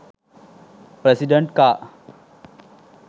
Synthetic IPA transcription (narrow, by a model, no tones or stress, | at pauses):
pɾesiɖəɳʈ̚ka